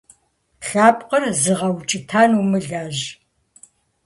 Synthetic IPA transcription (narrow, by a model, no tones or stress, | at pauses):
ɬaːpʼqərzɨʁɐwt͡ʃʼɪtʰaːnumɨɮaːʒ